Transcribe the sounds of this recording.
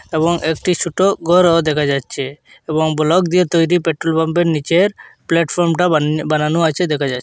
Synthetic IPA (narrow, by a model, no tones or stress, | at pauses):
ebɔŋʔek̚ʈit͡ɕʰuʈoɡɔɾod̪ɛkʰad͡ʑatːʃʰe | ebɔŋbɔlɔkd̪iet̪ojɾipeʈɾolbɔmbeɾnit͡ɕeɾplɛʈfʰɔɾmʈabananuat͡ɕʰed̪ɛkʰad͡ʑatː